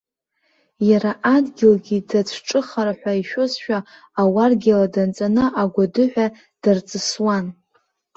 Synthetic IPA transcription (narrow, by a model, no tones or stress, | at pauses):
jaɾaʔadɡʲɪlɡʲidat͡sʰʈ͡ʂʼɨχaɾaħʷᶣaiʃᶣosʃᶣaː | warɡʲɪladant͡sʼanɨʔaɡʷadɨħʷᶣa | d̥art͡sʼɨswan